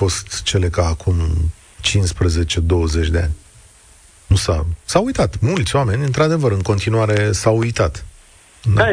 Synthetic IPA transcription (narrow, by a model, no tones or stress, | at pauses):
o̞st̪t͡ʃe̞le̞kaːkʰum | t͡ʃinspɾəze̞t͡ʃe̞d̪o̞wəze̞t͡ʃʲd̪e̞a̰nʲ | nusasawujt̪at̪mult̪sʲoame̞nʲɨnt̪ɾad̪e̞vəɾɨŋko̞nt̪inuaɾe̞sawujt̪at̪ | ɨn